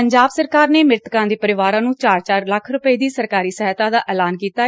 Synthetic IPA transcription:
əɲd͡ʒaːbsəɾkaːɾneːmɪɾt̪kãːd̪eːpəɾɪʋaːɾãːnũːt͡ʃaːɾt͡ʃaːɾləkʰɾʊpəiːd̪iːsəɾkaːɾiːsəɦət̪ãːd̪aːʔɛːlaːnkiːt̪aː

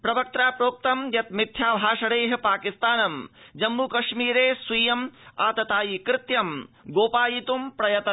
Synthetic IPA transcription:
pɾɐbɐk̚t̪ɾaːpɾoːk̚t̪ɐmjɐt̪̚mit̪ʰjaːbʱaːʂɐɽeːɦɐ̆paːkist̪aːnɐmd͡ʒɐmːukɐʂmiːɾeːswiːjɐmaːt̪ɐt̪aːjikɾɪt̪jɐmɡoːpaːjit̪umpɾɐjɐt̪ɐ

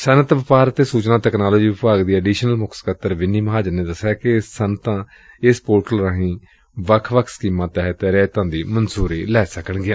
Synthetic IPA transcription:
sənət̪ʋɪpaːɾət̪eːsuːt͡ʃnaːt̪ɛːknaːloːd͡ʒiːɪpaːɡd̪iːəɖiːʃnəlmʊkʰskət̪əɾʋɪnːiːməɦaːd͡ʒəɾneːd̪əsaːkesːənt̪ãː | ɪspoːɾʈəlɾaːɦĩː | ʋəkʰʋəkʰskiːmãːt̪ɛːɦt̪eːɾɛːt̪ãːnd̪iːmənsuːɾiːlɛːsəkəɳɡɪãː

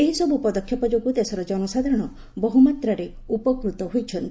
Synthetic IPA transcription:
eɦisɔbupɔd̪ɔkʰjɔpɔd͡ʒoɡud̪esɔɾɔd͡ʒɔnɔsad̪ʱaɾɔɽ̃ɔ | bɔɦumat̪ɾaɾe | upɔkɾut̪ɔɦujt͡ʃʰɔnt̪i

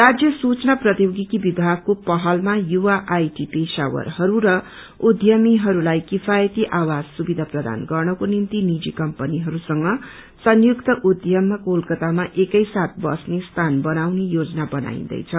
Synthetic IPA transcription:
rad͡zjʌsut͡snaprʌt̪joɡikibibʱaɡ̚kopʌɦʌlmajuwaʔajʈipesa̰wʌ̰rhʌɾuɾʌ | ud̪ʱjʌmiɦʌɾulajkifʰajʌt̪iʔawad͡zsubid̪ʱaprʌd̪ʱa̰nɡʌrnʌkonint̪inid͡zikʌmpʌniɦʌɾusʌŋɡʌ | sʌnjukt̪ʌʔud̪ʱjʌmːakolkʌt̪amaʔekʌjsat̪̚bʌ̰snest̪ʰanbʌnawnejod͡znabʌna̰ḭ̃nd̪ʌ̰jt͡sʰʌ

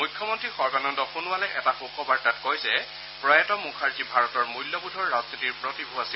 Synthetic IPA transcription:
mujkʰːjɔmɔntɹixɔɹɡanɔndɔxunʊwalɛʔɛtaxukɔbaɹtatkojzɛ | pɹɔjatɔmukʰaɹzibʱaɹɔtɔɹmujlːɔbudʱɔɹːaznitiɹpɹɔtibʱuasi

